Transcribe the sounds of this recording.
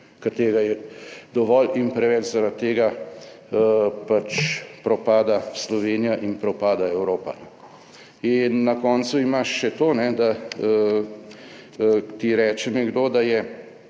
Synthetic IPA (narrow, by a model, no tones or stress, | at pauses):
kɛɾt̪eːɡajɛd̪ɔʋɔːlinpɾɛʋɛt͡ʃzaɾat̪ːeːɡa | pat͡ʃpɾɔpaːd̪aslɔʋeːnijaʔinpɾɔpaːd̪aɛwɾoːpa̰n | inːɐkɔːnt̪suimaʃːɛt̪oːnɛd̪a | t̪iɾɛːt͡ʃɛnɛɡd̪oːd̪ajɛ